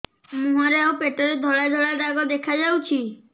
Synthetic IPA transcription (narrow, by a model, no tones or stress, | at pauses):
mũɦaɾeaũpeʈɔɾed̪ʱɔɭajd̪ʱɔɭajd̪aɡɔd̪ekʰad͡ʒawt͡ʃʰi